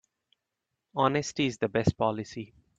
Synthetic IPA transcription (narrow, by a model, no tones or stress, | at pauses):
ɔnəsʈiɪzd̪əbɛst̚pɔlɪsi